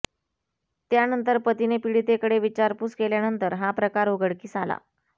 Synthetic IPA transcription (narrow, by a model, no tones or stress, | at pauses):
t̪janənt̪əɾpət̪inepiɽit̪ekəɽeʋit͡ɕaɾpuskeljanənt̪əɾɦapɾəkaɾoɡəɽkiːsala̰